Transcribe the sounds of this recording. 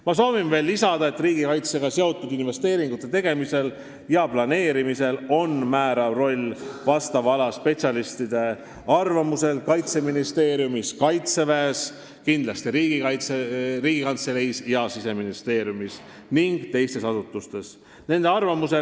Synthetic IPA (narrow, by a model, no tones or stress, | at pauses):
mɑs̬o̞ːvinve̞ːlːisɑd̪̥ɑe̞t̪riːɡikɑjt̪se̞ɡ̥ɑseo̞t̪ːˑud̪̥inve̞st̪e̞ːɾiŋɡ̥ut̪ːˑe̞t̪e̞ɡ̥e̞mise̞l | jɑplɑne̞ːɾimise̞lo̞nmæːɾɑvro̞lʲːvɑst̪ɑvɑlɑspe̞t̪sʲjɑlist̪id̪̥e̞ | ɑrvɑmuse̞lkɑjt̪se̞minist̪e̞ːɾjumiskɑjt̪se̞væːs | kind̪lɑst̪iɾiːɡ̥ikɑjt̪seriːɡ̥ikɑnt̪se̞lejsjɑsise̞minist̪e̞ːɾjumis | niŋɡ̥t̪e̞jst̪e̞sɑsut̪ːˑust̪e̞s | ne̞nd̪e̞ɑrvɑmuse